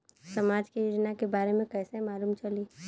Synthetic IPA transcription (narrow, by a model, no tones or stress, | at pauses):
sɐmaːd͡ʒkejoːd͡ʒnakebaːɾemẽkɛːseɦmaːluːmt͡ʃɐliː